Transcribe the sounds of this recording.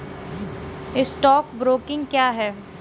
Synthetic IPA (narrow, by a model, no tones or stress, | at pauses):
ɪsʈɔːk̚bɾoːkɪ̃ŋɡkjaːɦɛː